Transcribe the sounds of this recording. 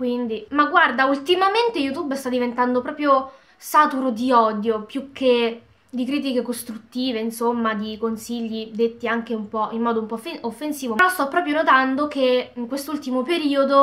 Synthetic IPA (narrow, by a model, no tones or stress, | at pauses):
kwind̪imaɡward̪ault̪imament̪ejut̪ubst̪ad̪ivent̪and̪opɾɔːpɾjo | saːt̪uɾod̪iɔd̪jopjukːe | d̪ikɾiːt̪̬ikekost̪ɾut̪ːiːveinsomːad̪ikonsiʎːid̪et̪ːiaŋk̟eumpɔʔimːɔːd̪oumpɔfeofːensiːvoɾɔst̪ɔpːɾɔːpɾjonot̪and̪okeiŋkwest̪ult̪imopeɾiːod̪o